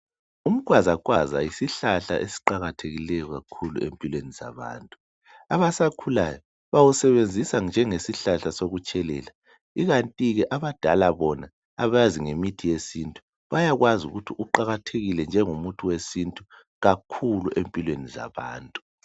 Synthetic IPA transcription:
um̩ɣʼwazaɣwaza̰jisiɬaɬa̰ʔesi̥ǃaɣatʰeɣilɛjɔɣakʰulṵʔḛmpʼilweniza̰βa̰ːntʼu | aβasakʰula̰jɔ | βawusɛβend͡zʱisand͡ʒʱɛŋesiɬaɬasoɣut͡ʃʼɛlɛ̰ːla | iɣantʼiɣɛʔaβad̥ʱa̰laβɔnaː | βaziŋemitʰijesintʼu̥ | βajaɣwazṵɣutʰiʔuǃaɣatʰeɣilɛnd͡ʒʱɛŋumutʰuwesintʼu | ɣakʰuluʔempʼilweniza̰βaːntʼu̥

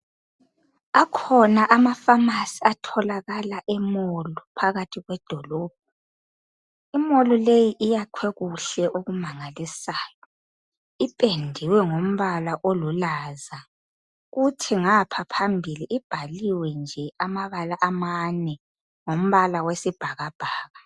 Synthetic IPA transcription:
akʰɔnaʔamafamasiatʰɔlaɣalaʔɛmolɔpʰaɣatʰiɣwɛd̥ʱɔlɔːb̥̚ʱɔ | imolɔlejiʔijakʰwɛɣuɬɛʔoɣumaŋalisaːjɔ | ipʼendʱiwɛŋom̩βalaʔolulaza | ɣutʰiŋapʰapʰambʱiliʔib̥ʱaliwɛnd͡ʒʱɛamaβalaʔamanɛ | ŋom̩βalawesib̥ʱaɣab̥ʱaːɣa

